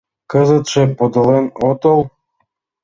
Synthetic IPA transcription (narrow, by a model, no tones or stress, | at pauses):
kəzə̆t̪ʃĕpod̪ɤ̆lenot̪əlˠ